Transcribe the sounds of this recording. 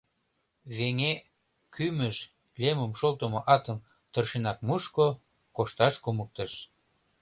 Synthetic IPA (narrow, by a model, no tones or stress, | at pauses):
βeŋe | kyməʒ | lʲeməmʃolt̪ə̆moʔɑt̪əm | t̪ərʃenɑk̚muʃko | koʃt̪ɑʃkumək̚t̪əʃ